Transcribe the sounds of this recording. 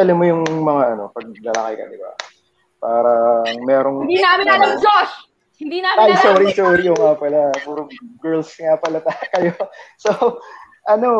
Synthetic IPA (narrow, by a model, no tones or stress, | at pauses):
ɐlɐmojʊŋmɐŋaʔɐno̞pɐɡ̚lɐla̰kɪjkɐ̰d̪ɪba̰ | paːɾɐŋmɛːɾoŋd̪inamɪnɐɐd͡ʒoʃ | ɪd̪iaajsoːɾisoːɾijʊŋapɐlapuɾʊɡɛɹlsŋapɐlɐt̪akɐjoso | ʔɐno̞